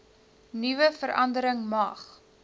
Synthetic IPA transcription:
nivəfəɾɐ̰ndəɾəŋmɐχ

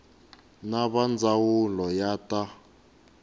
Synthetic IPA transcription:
naβand͡zʱawulɔjata

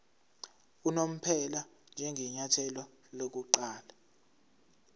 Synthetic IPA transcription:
unom̩pʰɛland͡ʒʱɛŋʱiɲatʰɛlɔ | lok̬uǃaːla

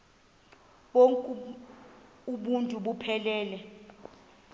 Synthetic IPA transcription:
ɓoŋkʼ | uɓuntʼuɓupʰɛlɛːlɛ

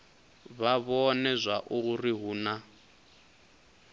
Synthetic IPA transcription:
βaβɔnɛzʷaʔuɣuriɦuːna

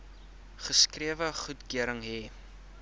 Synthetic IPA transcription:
χəskriəvəχutkiəɾəŋɦeː

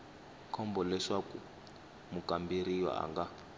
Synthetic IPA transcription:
kʰɔmbɔlɛʂaku | mukʼambiɾiwa̰a̰ŋɡa

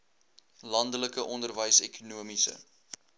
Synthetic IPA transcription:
lɐndələkəʔɔndərvəjsɛkʰunuəmisə̰

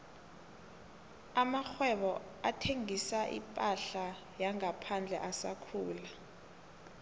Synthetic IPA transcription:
amaxwɛɓɔ | atʰeŋisaʔḭpʼaɬa | jaŋapʰand͡ɮʱɛ̰ʔasa̰kʰuːla

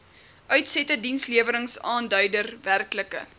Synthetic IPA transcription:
ʔœɥtsɛtədinsliəvəɾəŋsɑːndœɥdərværkləkə̰

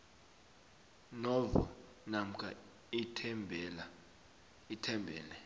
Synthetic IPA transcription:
nɔvɔ̰ | nam̩kʼa | itʰɛmbʱɛla | itʰɛmbʱɛːlɛ

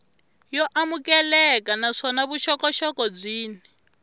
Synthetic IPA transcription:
jɔʔamukɛlɛkanaʂɔnaβuʃɔkɔʃɔkɔb͡ʐiːni

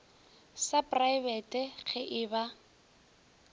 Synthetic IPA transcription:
sapʼraɪbɛtʼɛk͡xʰɛʔɪːba

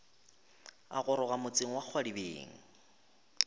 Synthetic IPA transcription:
a̰ɣʊɾʊɣamʊt͡seŋ̩waq͡χk͡xʰwadibḛːŋ̩

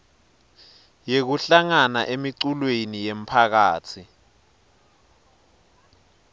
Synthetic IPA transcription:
jek̬uɬaŋanaʔemiǀulwenijem̩pʰak̬aːt͡sʰi

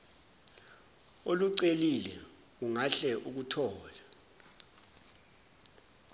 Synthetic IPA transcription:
oluǀelilɛ̰ | uŋaɬɛʔuk̬utʰɔːla

